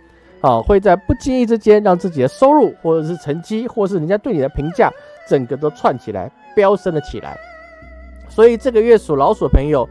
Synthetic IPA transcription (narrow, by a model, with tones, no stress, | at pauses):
ɔ˥˧xwe˥˧ɪt͡sa˥˧ɪpu˥˩t͡ɕi˥ŋi˥˩ʈ͡ʂɻ̩˥t͡ɕjɛ˥nɻɑ˥˧ŋt͡sɹ̩˥˩t͡ɕi˨˩d̪ə˦ʂo˥ʊɻu˥˩xwɔ˥˩ʈ͡ʂɤ˨˩ʂɻ̩˥˩ʈ͡ʂʰə˧˥nt͡ɕi˥xwɔ˥˩˨ʂ̬ɻ̩˩i˧˥nt͡ɕa˥t̪we˥˩ɪni˨˩ə˧pʰi˧˥ŋt͡ɕja̰˥˩ʈ͡ʂə˨˩ŋɡə˧˦t̪̬o˥ʊt͡sʰwa˥˩nt͡ɕʰi˨˩la̰˧˥ɪ | pjɑ˥ʊsə˥nlə˨t͡ɕʰi˨˩la̰˧˥ɪ | swɔ˧˥i˨˩ʈ͡ʂɤ˥˩ɡə˩ɥɛ˥˩su˨˩lɑ˧˥ʊswɔ˨˩pʰɤ˧˥ŋjo˨˩ʊ